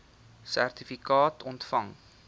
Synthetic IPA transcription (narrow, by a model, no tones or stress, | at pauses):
sæ̰rtifikɑːtɔntfɐŋ